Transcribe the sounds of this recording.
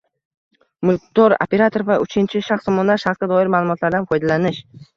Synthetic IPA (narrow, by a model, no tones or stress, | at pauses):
mʊlˠkt̪oɾo̰pʰe̞ɾat̪ʰoɾvaʔʊt͡ʃʰɪnt͡ʃʰɪʃaχst̪ɒmɒnd̪aɾʃaɾsɡʲad̪ɒɪɾmaːlˠʊmɒt̪ʰlaɾd̪anfɒjd̪alanɪʃ